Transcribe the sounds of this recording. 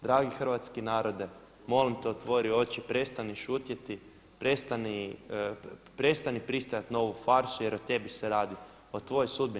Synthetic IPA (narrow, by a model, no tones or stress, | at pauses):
d̪ɾaːɡixr̩ʋat̪skenaːɾo̞d̪e | mo̞limt̪eot̪ʋo̞ɾio̞t͡ʃipɾe̞st̪aniʃut̪jet̪i | pɾe̞st̪ani | pɾe̞st̪anipɾist̪oajat̪no̞ʋufaɾsuje̞ɾot̪e̞biseɾaːd̪i | ot̪ʋo̞josud̪̚bi